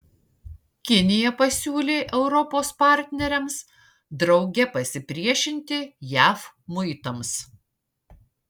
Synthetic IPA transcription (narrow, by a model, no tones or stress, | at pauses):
kʲɪnʲɪjɛpɐsʲuːlʲeːʔɛʊɾɔpoːspɑˑɾʲt̪ʲnʲɛɾʲɛms | d̪ɾɒʊɡʲɛpɐsʲɪpʲɾʲiɛʃʲɪnʲt̪ʲɪjæːf | mʊɪt̪ɐms